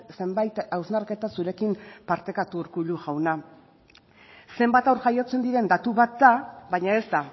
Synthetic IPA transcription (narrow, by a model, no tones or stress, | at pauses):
se̞mbajt̪awznaɾke̞t̪asuɾe̞kimpaɾt̪e̞kat̪uɾkuʎuʝawna | se̞mbat̪awɾʝajo̞t͡se̞nd̪iɾe̞nd̪at̪uβat̪̚d̪aβajɲae̞zt̪a